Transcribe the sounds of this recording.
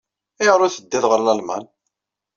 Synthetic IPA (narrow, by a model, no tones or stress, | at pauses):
iʁɾˤʊθəd̪ːiðʁəɾlælmæ̰n